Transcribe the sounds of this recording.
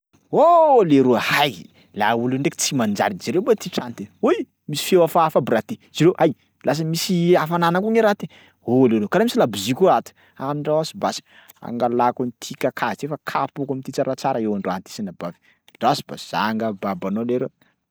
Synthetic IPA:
oleɾuəhajḭ | lauluɳɖ͡ʐekʲt͡simand͡ʒa̰ɾid͡ʒaɾewbat̪iʈ͡ʂant̪eoj | misi̥fewafaafabiɾat̪ez̥iɾewʔaj | lʔas̬əmisiafananakuŋiɾat̪e | oleɾewkalamisilabizikʲuat̪u̥ | amiɳɖ͡ʐawasibasi̥ | a̰ŋɡalakunit̪ʰikakʰait̪efakʰapokamit̪it͡saɾat͡saɾaewaɳɖ͡ʐoant̪i̥sinabavi̥ | ɳɖ͡ʐasiba̰z̥a̰ŋɡəbabanoleɾew

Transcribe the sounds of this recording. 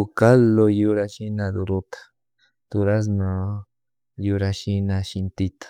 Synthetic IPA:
ukalojuɾaʃinãd̪uɾut̪ḁ | t̪uɾas̬nã | juɾaʃinãʃint̪it̪ḁ

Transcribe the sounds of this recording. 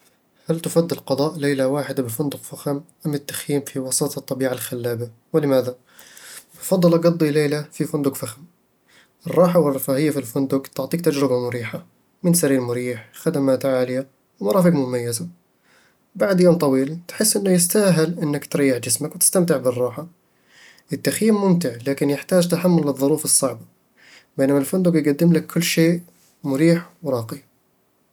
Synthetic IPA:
halt̪ɪfad̪ːɪlqɑd̪ˤɑːʔlejlawaːħɪd̪abɪfʊnd̪ʊqfaxamʔamːɪt̪ːḁxjiːmfiwɑsɑːt̪ˤɑt̪ˤːɑbiːʕalxalːaːba | wɪlɪmaːða | bfɑd̪ˤːɑlʔɑɡɑd̪ˤːileːlafifʊnd̪ʊkfaxam | ʔɨrˤːɑːħawɪrˤːɑfaːhɪjːafilfʊnd̪ʊkt̪ʊʕt̪ˤiːk̚t̪ad͡ʒɾɪbamʊɾiːħa | mɪnsaɾiːlmʊɾiːħxad̪amaːt̪ʕaːlɪja | wmɑɾˤɑːfɪɡmʊmajːɪza | baʕd̪joːmt̪ˤɑwiːlt̪ħɪsːʔɪnːajɪst̪aːɦɪlʔɪnːakt̪ɾɑjːɪħd͡ʒɪsmakwt̪ɪ̥st̪amt̪ɪʕbɪrˤːɑːħa | ʔɪt̪ːaxjiːmːʊmt̪ɪʕlaːkɪnjɪħt̪aːd͡ʒt̪aħamːʊlːɨðˤːʊɾuːfɨsˤːɑʕba | beːnamalfʊnd̪ʊkjɡad̪ːɪmlakʰːʊlːʃeːʔ | mʊɾiːħwɾˤɑːqi

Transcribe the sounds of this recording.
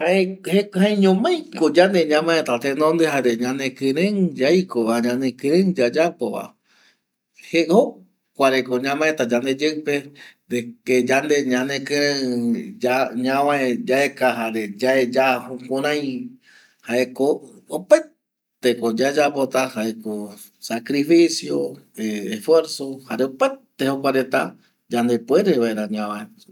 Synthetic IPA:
haehehãẽɲõmãj̃kod͡ʒand̪eɲãmãet̪at̪enõnd̪eɦaɾeɲãnẽkɨ̃ɾẽŋd͡ʒajkoaɲãnẽkɨ̃ɾẽŋd͡ʒad͡ʒapoβa̰ | heo | kʷaɾekoɲãmãet̪ad͡ʒand̪ed͡ʒeɨped̪eked͡ʒand̪eɲãnẽkɨ̃ɾẽd͡ʒaɲãβaed͡ʒaekaɦaɾed͡ʒaed͡ʒahokʷõɾ̃ãj̃ | haekoope | t̪ekod͡ʒaed͡ʒapot̪ahaeko | sakɾifisjoeːfweɾsohaɾeopet̪ehokʷaɾet̪a̰ | d͡ʒand̪epueɾeβaeɾaɲãwãe

